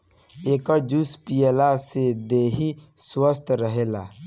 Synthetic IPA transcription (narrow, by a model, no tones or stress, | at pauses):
eːkəɾd͡ʒuspijəlased̪eːɦiswəst̪ʰɾəɦeːla̰